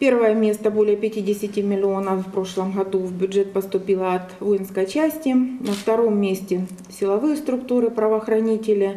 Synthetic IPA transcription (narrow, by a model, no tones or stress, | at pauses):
pʲe̞rvəjəmʲe̞st̪əbo̞lʲɪjəpʲɪtʲidʲɪsʲɪtʲɪmʲɪlʲɪo̞nəffpɾo̞ʂlˠəmɣɐd̪uvbʲʊdʐɛt̪̚pəst̪ʊpʲilˠəɐt̪vojɪnskəjt͡ɕæsʲtʲɪnəft̪ɐɾomːʲesʲtʲɪ | sʲɪlˠɐvɨjəst̪ɾʊkt̪uɾɨpɾəvɐːxɾɐnʲitʲɪlʲɪ